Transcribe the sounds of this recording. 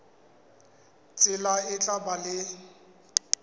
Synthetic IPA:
t͡sʼɪlaɪt͡ɬʼabalɪ

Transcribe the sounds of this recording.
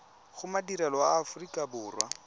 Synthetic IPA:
ɣʊmadiɾalɔaːfʊrikʼabʊːrwa̰

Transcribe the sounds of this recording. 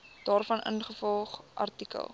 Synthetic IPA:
d̥ɑːrfɐnʔə̰nχəfɔlˠχʔɐ̰rtikə̰lˠ

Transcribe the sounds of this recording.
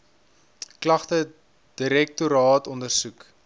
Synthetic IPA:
klɐχtə | d̥iɾɛk̚tuɾɑːtɔndərsuk

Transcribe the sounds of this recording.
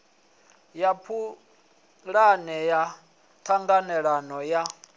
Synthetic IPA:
japʰu | ɺanɛja | tʰaŋɡanɛɺanɔja

